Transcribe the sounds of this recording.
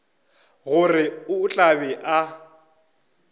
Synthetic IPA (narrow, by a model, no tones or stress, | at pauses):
ɣʊrɪʊːt͡ɬʼabɛʔa